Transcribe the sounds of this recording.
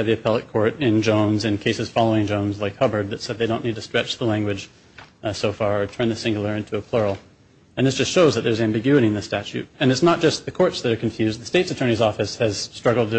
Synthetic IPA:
ðiɨpʰɛlˠət̚kʰɔɹɾɪ̃nd͡ʒõʊ̃nzɨ̃nkʰeɪsɨz̥fɑlˠoʊɪ̃ŋd͡ʒõʊ̃nzlaɪkhʌbə˞d̪̚ðɨtsɛd̪̚ðeɪɾõʊ̃nːid̚tʰɨstɹ̥ɛt͡ʃðəlæ̃ŋɡwɨd͡ʒʒ̥ | soʊfɑɹtʰɜ̃˞nðɨsɪ̃ŋɡl̩ˠə˞ɪ̃ntʰuəpʰl̥ɔɹl̩ˠ | ɨ̃nðɪsd̥ʒ̥ʌstʃoʊzðɨt̪̚ðə˞zæ̃mbɪɡjʉɨɾiɨ̃nðɨstæt͡ʃʉ̰ɾ̚ɨ̃nɨtsnət̚d̥ʒ̥ʌst̪̚ðɨkʰɔɹtsðɨɾə˞kʰɨ̃ɱfjʉzd̪̚ðɨsteɪtsɨtʰɜ̃˞ɾnizɔfɨshɨz̥stɹ̥ʌɡl̩ˠd̚

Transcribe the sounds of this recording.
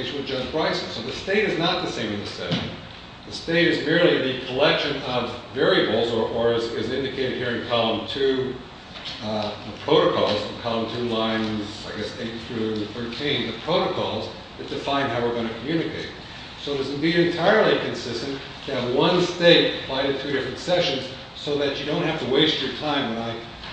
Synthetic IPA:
ɪʃn̩wɨd͡ʒʌd͡ʒbɹaɪsn̩soʊðɨsteɪɾɨznət̪̚ðɨsẽɪ̃mɨ̃nðɨsɛɾ | ðɨsteɪɾɨzmɪɹlˠiɨ̃nɨkʰəlɛkʃɨ̃nʌvːɛɹiɨbl̩ˠzə˞ʔə˞ɨzɪzɪ̃ndɨkʰeɪɾɨd̚hiɹɨ̃nkʰɑlˠə̃mtʰʉ | əpʰɹ̥oʊɾɨkʰɔlˠz̥̃nkʰɑlˠə̃mtʰʉlãɪ̃nza̰ɪɡɛseɪt̪̚θɹʉθɜ˞tʰĩnðɨpʰɹ̥oʊɾɨkʰɔ̰lˠz | ðɨt̚d̥ɨfãɪ̃nhaʊwɨɹɡʌñɨkʰmjʉnɨkʰeɪt̚ | soʊɾʌz̃n̩biɾɨ̃ntʰaɪə˞lˠikʰɨ̃nsɪstɨ̃n | tʰɨːvwʌ̃nsteɪt̚b̥aɪɨtʰʉɾɪfɹɨ̃ntsɛʃɨ̃nz̥ | soʊðɨt͡ʃɨdõʊ̃nt̚hæftɨweɪst͡ʃə˞tʰãɪ̃mwɨ̃naɪ

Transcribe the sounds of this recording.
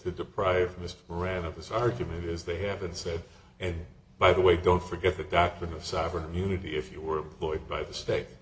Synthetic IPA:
tʰɨdɨpʰɹ̥aɪvmɪstə˞mə˞æ̃nʌv̥ɨzɑɹɡjɨmɨ̃ntɪzðeɪhævɨ̃ntsɛd | ɨ̃n | b̥aɪðəweɪdõʊ̃ntfə˞ɡɛt̪̚ðɨdɑk̚tɹ̥ɨ̃nʌv̥sɑvɹə̃nɨmjʉnɨɾiɨfjɨwə˞ɨ̃mpʰl̥ɔɪd̚baɪðɨsteɪt̚

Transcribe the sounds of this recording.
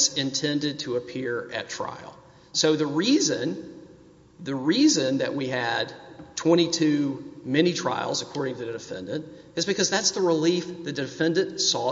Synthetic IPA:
sɨ̃ntʰɛ̃ndɨd̚tʰəəpʰɪɹɨ̰tʰɹ̥a̰ɪl̩ˠ | soʊðɨɹizɨ̃n | ðɨɹizɨ̃nðɨ̰ʔ̚wiɨd̚tʰw̥ɛ̃ɾ̃itʰʉmɛñitʰɹ̥a̰ɪlˠzəkʰɔɹɾɪ̃ŋtʰɨðɨdɨfɛ̰̃ndɨ̃nt | ɨzbɨkʰʌzðætsðəɹɪlifðɨdɨfɛ̃ndɨ̃ntsɔ

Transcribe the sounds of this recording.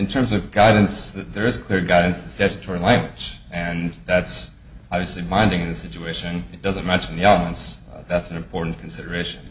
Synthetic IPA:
ɨ̃ntʰɜ̃˞mzʌvɡaɪdⁿn̩sðə˞ɨz̥kʰl̥ɪɹɡaɪdⁿn̩sðɨstæt͡ʃɨtʰɔɹlæ̃ŋɡwɨ̥d͡ʒɨ̃nðæts | ɑbviɨslibãɪ̃ndɪ̃ŋɨ̃nðɨsɪt͡ʃʉeɪʃɨ̃nɨt̚d̥ʌzɨ̃nmɛ̃nʃn̩ðiɛlˠəmə̃nsðætsn̩ɨ̃mpʰɔɹʔn̩kʰn̩sɪɾə˞eɪʃɨ̃n̩

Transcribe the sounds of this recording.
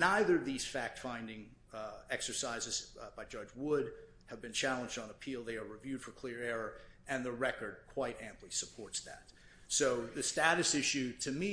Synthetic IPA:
naɪðə˞ʌvðiz̥fæk̚tfãɪ̃ndɪ̃ŋ | ɛksə˞saɪzɨz̥b̥aɪd͡ʒʌd͡ʒwʊd | ɨvbɨ̃nt͡ʃʰælˠə̃nd͡ʒdn̩əpʰilˠðeɪə˞ɹivjʉd̥fə˞kʰl̥ɪɹɛɹə˞ɨ̃nðɨɹɛkə˞d̚kʰw̥aɪɾæ̃mpʰlisəpʰɔɹtsðæ̰t̚ | soʊðɨstæɾɨsɪʃʉɾɨmi

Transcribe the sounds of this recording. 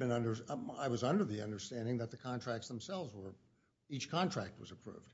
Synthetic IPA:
bɨ̃nʌ̃ndə˞a̰ɪwʌzʌ̃ndə˞ðiʌ̃ndə˞stæ̃ndɪ̃ŋðɨt̪̚ðɨkʰɑ̃ntʰɹ̥æk̚tsð̃m̩sɛlˠvzwə˞ | it͡ʃkʰɑ̃ntʰɹ̥æk̚t̚wʌzəpʰɹ̥ṵvd̥

